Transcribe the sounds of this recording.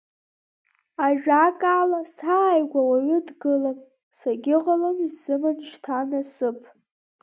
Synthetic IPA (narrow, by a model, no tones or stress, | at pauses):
aʒᶣakʼaːlasaːjɡʷawaɥʊdɡɨlam | saɡʲɪʁalomizzɨmɨnʃtʰanasɨpʰʼ